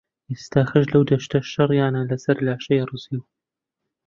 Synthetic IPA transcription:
jɪst̪aːxaʒlawd̪aʃt̪aʃːɑɾˤjaːnaːlasaɾɪlʕaʃajɾˤɨsiw

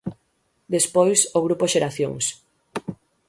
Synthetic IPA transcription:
d̪espojsoɣɾupoʃeɾaθjo̰ŋs

